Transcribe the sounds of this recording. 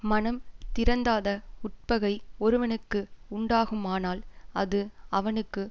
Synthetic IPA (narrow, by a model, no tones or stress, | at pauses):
mɐnɐmt̪ɪɾɐnd̪aːðɐʊʈ̚pɐɣɐɪɔɾɯʋɐnɯkːɯʊɳɖaːɣɯmaːnaːlɐðɯɐʋɐnɯkːɯ